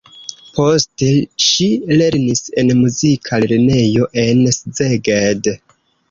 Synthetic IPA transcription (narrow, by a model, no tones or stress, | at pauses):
po̞steʃile̞ɾnise̞nmuzikʰaleɾne̞jo̞ʔe̞nszeɡed